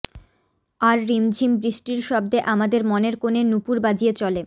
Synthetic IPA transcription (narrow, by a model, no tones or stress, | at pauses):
aɾːimd͡ʑʱimbɾiʃʈiɾʃɔb̚d̪eʔamad̪eɾmɔneɾkonenupuɾbad͡ʑʱijet͡ɕɔle